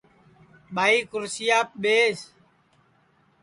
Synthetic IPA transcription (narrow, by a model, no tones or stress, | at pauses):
ɓaːiːkʊɾsɪjaːp̚ɓeːs